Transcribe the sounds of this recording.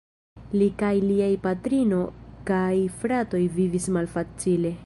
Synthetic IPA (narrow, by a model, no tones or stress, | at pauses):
likajliajpatɾino̞kajfɾato̞jvivismalfat͡sile̞